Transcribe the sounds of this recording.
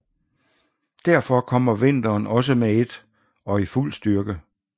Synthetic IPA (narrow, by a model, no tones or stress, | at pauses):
d̥æɐfɒ̽kʰɒ̽m̰ɐʋe̝n̰d̥ɐːnɒ̽s̬əmeed̥ | ɒ̽iful̰sd̥ɶɐɡ̥ə